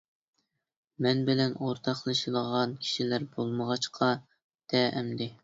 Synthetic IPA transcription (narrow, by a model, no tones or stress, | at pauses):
mɛnbɪlɛnoɾt̪ʰɑqlˠɨʃɨlˠəʁɑnkʲʰi̥ʃilæɾbolˠməʁɑʃqʰɑ | d̪̥ʰɛɛmd̪ɪ